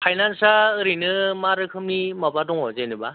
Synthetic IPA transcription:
pʰajnansaɾinɯmaɾɯkʰɯmnimabadɔŋɦɔzajnɯba

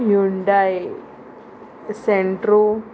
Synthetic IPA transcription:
juɳɖaj | seɳʈɾu

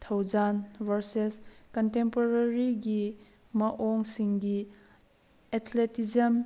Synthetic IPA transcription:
t̪ʰɐwd͡ʒanbɐɾseskɔntempoɾɐɾiɡi | mɐʔɔŋsiŋɡi | ɛt̪ʰletizɐm

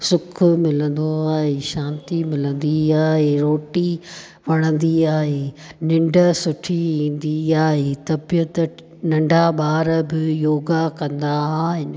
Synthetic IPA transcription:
sʊkʰʊmɪlə̃nd̪oaːɦeːʃãːnt̪imɪlə̃nd̪iaːɦeːɾoːʈi | ʋɐɽ̃ə̃nd̪iaːɦeːnɪ̃ɳɖəsʊʈʰiĩːnd̪iaːɦeːt̪ɐbijət̪ | nɐ̃ɳɖʱaɓaːɾəbɪjoːɡakɐ̃nd̪aaːɦɪn̆

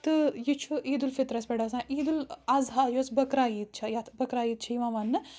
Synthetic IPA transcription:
t̪ɨjit͡ʃʰuʔiːd̪ulfit̪ɾɐspɐɽɐs̬ãːʔiːd̪ulɐzɦaːjoːsbɐkɾaːjiːt̪̚t͡ʃʰɐjat̪ʰbɐkɾaːjiːt̪̚t͡ʃʰiːʋãːʋɐnːɨ

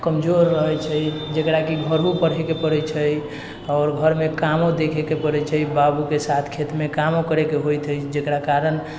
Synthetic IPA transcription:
kəmd͡ʒoɾːəɦət͡ʃʰəjd͡ʒekɾakiɡʱəɾɦupəɽ̤ekepəɽɛt͡ʃʰəj | ɔːɾɡʱəɾmekamod̪ekʰekepəɾɛt͡ʃʰəjbabukesat̪ʰkʰet̪mekamokəɾekeɦojt̪ʰəjd͡ʒekɾakaɾən

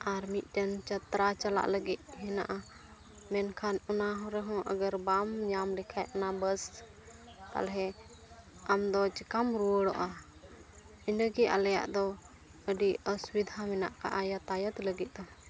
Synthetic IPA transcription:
aɾmit̪̚ˀʈənt͡ʃət̪ɾat͡ʃala̰ʔləɡit̪̚ɦɛna̰ʔa | mɛnkʰanɔnaɦɔ̃ɾɛɦɔ̃ʔəɡəɾbamɲamlikʰajɔnabəs | k̪a̰lɦɛ | amd̪ɔt͡ʃikamɾuəɽɔʔa | əɲləɡia̰lɛja̰ʔd̪ɔ | əɖiəswid̪ʱamɛna̰ʔka̰ʔajat̪ajət̪ləɡit̪̚d̪ɔ

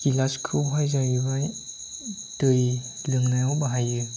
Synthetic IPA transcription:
kilaskʰɯɦajzaɾibaj | tɯj | lɯŋnajawbaɦajɯ

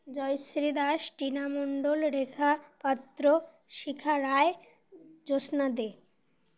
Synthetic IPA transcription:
d͡ʑɔjsɾid̪aʃʈinamoɳɖolɾekʰapat̪ːɾo | ʃikʰaɾae | d͡ʑosnad̪e

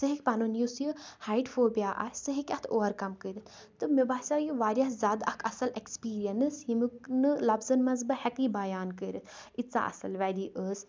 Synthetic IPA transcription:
sɨɦikʲpɐnunjusjɨhaːiʈfoːbijaːʔa̰ːsɨɦikʲɐt̪ʰoːʋɐɾkɐmkəɾɨt̪ʰ | t̪ɨmibaːsʲajuʋaːɾʲjɐzʲaːd̪ɐkʰɐsɐlekspiːɾijɐnɨsimɨknɨlɐbzɐnmɐnzbɐhɛkibɐjaːnkəɾɨt̪ʰit͡sa̰ːʔɐ̰sɐlʋad̪iːʔəs

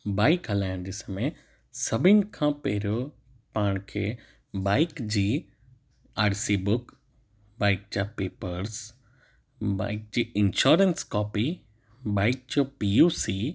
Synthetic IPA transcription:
baːɪkɦɐlaːjɪ̃nd͡ʑɪsmẽ | sɐbʱɪnkʰãːpeɦɾo | paːɳ̃kʰḛ | baːɪkd͡ʑiː | aːɾsiːbʊk | baːɪk̚d͡ʑaːpeːpəɾs | ba̰ːɪk̚d͡ʑiːɪnʃoːɾənskɔːpi | baːɪk̚d͡ʑopiusi

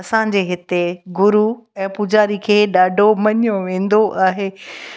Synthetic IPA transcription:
ɐsãd͡ʑeːɦɪt̪eɡʊɾuɛ̃ːpʊd͡ʑaːɾikʰeːɗaːɖʱomɐɲjõʋẽːn̆d̪oʔaːɦeː

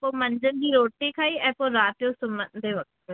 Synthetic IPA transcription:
poːməɲd͡ʒənd̪iːɾoːʈːiːkʰaːiːɛpõɾaːt̪jõːsʊmənd̪eːʋək̪̚ʰt̪o

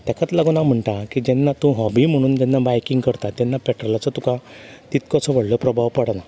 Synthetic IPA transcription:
t̪ɛkʰat̪laɡonam̤əɳʈakid͡ʑɛnːat̪ũɦɔbim̤əɽ̃uːnt̪ɛnːabajkiŋɡkəɾt̪at̪ːɛnːapɛʈɾɔlat͡sət̪ũkãt̪it̪kɔt͡sʰɔʋəɽləpɾəbʱaʋpəɽna

